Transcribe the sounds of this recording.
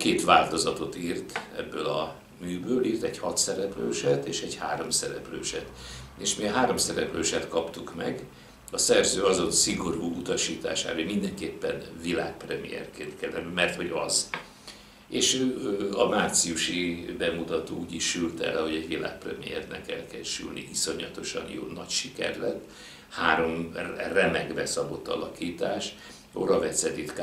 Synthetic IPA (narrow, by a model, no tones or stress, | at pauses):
keːt̪ʋaːlt̪o̞zɒt̪o̞t̪iːrt̪ɛ̰bːøːlɒ | myːbøːliːrt̪ɛɟhɒt̪sɛɾɛpløːʃɛt̪eːʃɛɟhaːɾo̞msɛɾɛplø̰ːʃɛt̪eːʃmiɒɦaːɾo̞msɛɾɛpløːʃɛt̪kɒpt̪ukmɛ̰ɡ | ɒsɛrzøːɒzo̞nsiɡo̞ɾuːut̪ɒʃiːt̪a̰ːʃa̰ːɾemind̪ɛŋkeːpːɛnvilaːk̚prɛmḭjɛ̰rkeːnt̪kɛlːɛnymɛrt̪ho̞ɟɒz | eːʃøɒmaːrt̪siuʃibɛmut̪ɒt̪oːuːɟiʃylt̪ɛrɛho̞ɟɛɟʋila̰ːk̚prɛmḭjɛrnɛ̰kɛlkɛlʃy̰lnḭʔiso̞ɲlɒt̪o̞ʃɒ̰njo̰ːnːɒcʃikɛ̰rlɛt̪ː | haːɾo̞mrɛmɛɡbɛsɒbo̞t̪ːɒ̰lɒkiːt̪aːʃ | oɾɒvɛt̪sɛd̪it̪k